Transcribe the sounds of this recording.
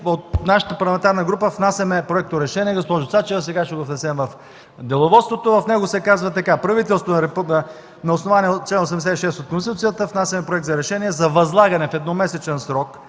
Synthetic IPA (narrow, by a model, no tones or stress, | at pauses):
ot̪naʃə̥t̪əpɐɾlˠɐmɛ̃nt̪aɾnəɡɾupəfnasʲɐmɛpɾoɛk̚t̪oɾɛʃɛniɛɡospɔʒʊt̪sat͡ʃɛvəsɛɡaʃɛɡovnɛsɛmvɐf | d̪ɛlˠovɔt̪st̪vot̪ovɐfnɛɡosɛkazvɐt̪ɐkapɾɐvit̪̬ɛlˠst̪oɾɛpnɐ | nɐosnovaniɛt͡ʃlɛnos̬ɛmd̪ɛs̬ɛt̪iʃɛst̪ot̪̚konst̪it̪ut̪sijət̪əfnasʲɐmɛpɾoɛk̚t̪zɐɾɛʃɛniɛzɐvɐzlˠaɡɐnɛfɛd̪nɔmɛsɛt͡ʃɛnsɾɔk